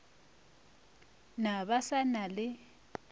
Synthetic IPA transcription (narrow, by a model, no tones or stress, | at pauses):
naβasanalɪ